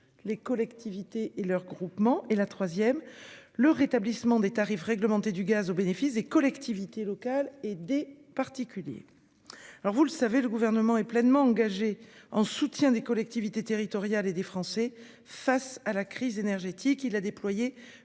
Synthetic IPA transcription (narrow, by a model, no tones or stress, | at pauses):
lekɔlɛkt̪ʰivit̪eʔelœʁɡʁupmɑ̃ʔelat̪χwazjɛmləʁet̪ablismɑ̃d̪et̪aʁifʁɛɡləmɑ̃t̪ed̪yɡazobenefisd̪ekɔlɛkt̪ʰivit̪elɔkaled̪epaʁt̪ikʲyljḛ | alɔʁvuləsaveləɡuvɛʁnəmɑ̃ɛplɛnmɑ̃ɑ̃ɡaʒeɑ̃sut̪jɛ̃d̪ekɔlɛk̚t̪ivit̪et̪eʁit̪ɔʁjaled̪efχɑ̃sɛ | fasalakχizenɛʁʒet̪ikilad̪eplwaje